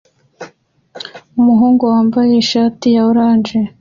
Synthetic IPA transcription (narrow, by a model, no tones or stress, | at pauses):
umuɦuːŋɡowaːmbaje̞ʃaːtijaoɾaːnʒe